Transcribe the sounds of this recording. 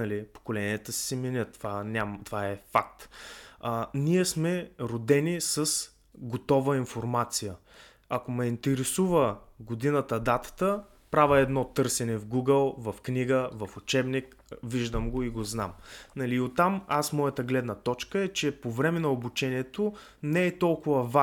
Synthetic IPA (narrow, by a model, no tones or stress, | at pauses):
nɐlipo̥kolɛniət̪əssɛmɛnʲət̪ːvanʲamt̪ovaɛfak̚t̪ | niɛsmɛɾod̪ɛnisəs | ɡot̪ɔvəinfoɾmat̪sijə | ɐkomɛint̪ɛɾɛsuvəɡod̪inət̪əd̪at̪ə̥t̪ə | pɾavəɛd̪nɔt̪ɤɾsɛnɛvɡuɡəlˠvɐfkniɡəvɐfʊt͡ʃɛbnikviʒd̪əmɡoiɡoznamnɐliːot̪ːamasmɔjət̪əɡlɛd̪nət̪ɔt͡ʃkəɛt͡ʃɛpovɾɛmɛnɐobut͡ʃɛniɛt̪o | nɛɛt̪ɔlˠkʊvəva